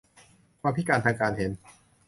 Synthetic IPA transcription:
kʰaː˧mpʰi˦˥kaː˧nt̪ʰaː˧ŋkaː˧nɦe˩˦n

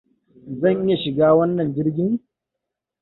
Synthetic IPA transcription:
zɐ˦˨ŋʔɪ˦ja˨ʃɪ˨ɡaː˦wɐ˦nːɐ˨nd͡ʒɪ˦rɡʲɪ˦ŋ

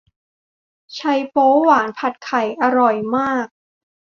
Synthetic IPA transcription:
t͡ɕʰa˧jpoː˦˥waː˩˦npʰa˨˩t̪̚kʰa˨˩˦jʔa˧ɾɔ˨˩jmaː˥˩k̚

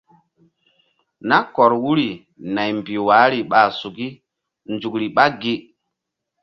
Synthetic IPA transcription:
na˦kɔ˨ɾwu˦ɾi˨ | na˨jmbi˨wa˨˦ɾi˨ɓa˨su˨ɡi˦ | nd͡ʒu˨kɾi˨ɓa˦ɡe˦

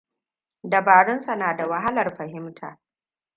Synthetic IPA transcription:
dɐ˨baː˨ɽɪ˦nsa˨naː˨da˨wɐ˨ɦa˦lɐ˨rɸɐ˨hɪ˦mtʰa̰ː˨

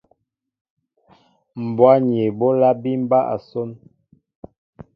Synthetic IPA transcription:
m̩˨bwa˦ɲ˨e˨bɔ˦la˦bi˦m˦ba˦ʔa̰˨so˦n

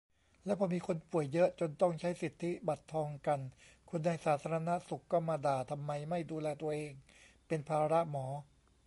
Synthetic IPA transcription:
lɛ˦˥pʰɔː˧miː˧kʰo˧npu˨˩əjːɤ˦˥ʔt͡ɕo˧nt̪ɔ˥˩ŋt͡ɕʰa˦˥jsi˨˩t̪ʰːi˦˥ba˨˩t̪ʰːɔː˧ŋka˧nkʰu˧nːa˧jsaː˩˦t̪ʰaː˧ɾa˧na˦˥ʔsu˨˩kːɔaː˥˧˩maː˧daː˨˩t̪ʰa˧mːa˧jma˥˩jduː˧lɛː˧t̪u˧ɐʔeː˧ŋ | pe˧npʰaː˧ɾa˦˥mɔː˩˦

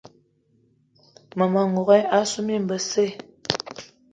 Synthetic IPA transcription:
mə˨ma˨ŋo˨ɣɛ˦a˦su˦mi˦˨m̩˨bə˨se˦˨

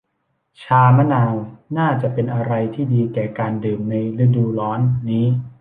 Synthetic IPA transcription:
t͡ɕʰaː˧ma˦˥naː˧wnaː˥˩t͡ɕa˨˩ʔpe˧nʔa˧ɾa˧jt̪ʰiː˥˩diː˧kɛː˨˩kaː˧ndɯː˨˩mna˧jlɯ˦˥duː˧lɔː˦˥nːiː˦˥

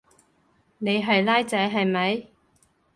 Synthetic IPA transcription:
ne˨˧jɦɐ˨jlaː˥jt͡sɐ˨˥jɦɐ˨jmɐ˨˧˥j

